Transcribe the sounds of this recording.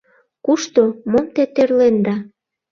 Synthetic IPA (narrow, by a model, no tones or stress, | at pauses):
kuʃt̪omomt̪et̪erlend̪ɑ